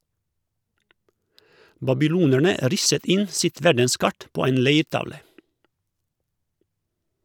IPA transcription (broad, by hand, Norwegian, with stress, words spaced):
bɑbɪˈluːnæɳə ˈɾɪsət ˈɪn ˈsɪt ˈʋæɖənˌskɑʈ ˈpoː ˈeːn ˈleɪɾˌtɑʋlə